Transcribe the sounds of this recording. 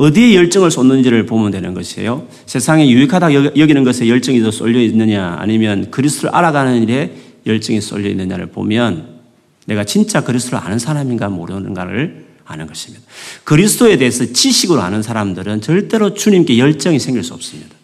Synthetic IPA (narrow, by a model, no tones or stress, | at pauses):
ʌdie̞jʌɭt͡ɕ͈ʌŋɯɭs͈onːɯnd͡ʑiɾɯɭpomɯndwe̞nɯnɡʌɕʰiḛjo | sʰe̞sʰaŋejuikʰadajʌɡinɯnɡʌsʰe̞jʌɭt͡ɕ͈ʌŋidos͈o̰ʎːʌinːɯɲaa̰ɲimjʌnkɯɾisʰɯtʰoɾɯ̰ʔa̰ɾaɡanɯniɾe̞ | jʌɭt͡ɕ͈ʌŋis͈o̰ʎːʌinːɯɲa̰ɾɯ̰ɭpo̰mjʌnː | e̞ɡat͡ɕint͡ɕ͈akɯɾisʰɯtʰoɾa̰nɯnsʰaɾaminɡamo̰ɾɯnɯnɡaɾɯ̰ɭ | a̰nɯnɡʌɕʰi̥mɲid̥akɯɾisʰɯd̥ʰoe̞de̞ɦːsʰʌt͡ɕiɕʰiɡɯɾoa̰nɯnsʰaɾamdɯɾɯnt͡ɕʌɭt͈e̞ɾot͡ɕuɲimk͈e̞jʌɭt͡ɕ͈ʌŋisʰeŋɡiɭs͈uʌp̚s͈ɯmɲidḁ